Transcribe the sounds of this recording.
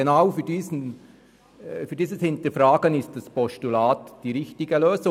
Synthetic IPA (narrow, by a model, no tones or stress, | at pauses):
enaʊfyːdiːsn | fyːdiːsəshɪntəfraːɡənɪstd̥aspɔʃtulaːtd̥iːɾɪçtɪɡəløːsʊ